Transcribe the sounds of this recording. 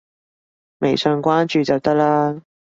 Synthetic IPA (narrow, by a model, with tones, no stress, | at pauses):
me˨˩jsœ˧ŋkʷaː˥nt͡ʃyː˨t͡sɐ˨˩wt̪ɐ˥k̚laː˥